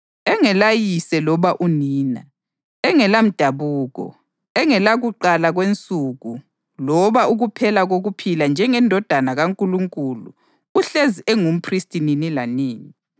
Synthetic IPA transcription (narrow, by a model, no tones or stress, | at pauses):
ɛŋɛlajisɛlɔβaʔuniːna̰ | ɛŋɛlam̩d̥ʱaβuːɣɔ̰ | ɛŋɛlaɣuǃalaɣwent͡sʼuɣu | lɔβaʔuɣupʰɛlaɣoɣupʰiland͡ʒʱɛŋɛndʱɔd̥ʱanaɣaŋkʼuluŋkʼulṵː | ɬeziʔɛŋum̩pʰristʼininilaniːni